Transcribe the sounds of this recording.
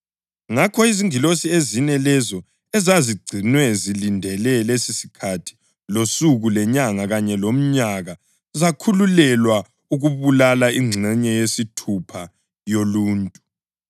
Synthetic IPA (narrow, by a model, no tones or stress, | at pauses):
ŋakʰɔiziŋilosiezinɛlɛzɔ | ɛzaziɡ͡ǀʱinwɛzilindʱɛlɛlesisi̥kʰatʰi̥ | losuɣulɛɲaŋaɣaɲɛlom̩ɲaɣa | zakʰululɛlwa | uɣuβulalaiŋ͡ǀʱɛɲɛjesitʰupʰa | joluːntʼu